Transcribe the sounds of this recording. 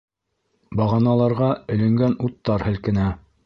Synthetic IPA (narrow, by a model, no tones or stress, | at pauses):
bɑʁɑnɑlˠɑɾʁɑɵ̆lɘ̆ŋɡænut̪ːɑɾhɘ̆lkɘ̆næ